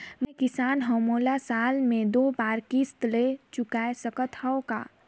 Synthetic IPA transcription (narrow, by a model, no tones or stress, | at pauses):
mɛ̃kɪsaːnɦəmoːlasaːlmẽd̪oːbaːɾkist̪let͡ʃʊkaesəkət̪hɛoka̰ː